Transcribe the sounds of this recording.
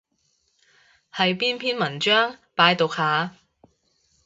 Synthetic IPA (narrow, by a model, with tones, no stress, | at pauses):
hɐ˨˧jpiː˥npʰiː˥nmɐ˨˩nt͡ʃœː˥ŋpaː˨˧jt̪o˨k̚haː˨˧